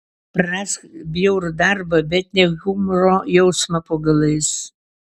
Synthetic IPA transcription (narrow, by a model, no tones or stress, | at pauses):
pɾasbʲjɛʊɾd̪ɑɾbɐbʲɛt̪nʲɛɡʊmɾoːjɛʊsmɐpoɡɐlˠɐɪs